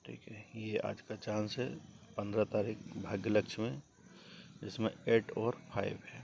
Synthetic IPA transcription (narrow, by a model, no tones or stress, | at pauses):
ʈʰḭːkɦɛjea̰ːd͡ʒkat͡ʃaːnsepə̃nd̪ɾat̪aːɾiːk̚ʰbʱaːɡjləkt͡ʃʰmẽ | d͡ʒɪsmḛ̃eːʈɔːɾpʰaːɪbɦɛː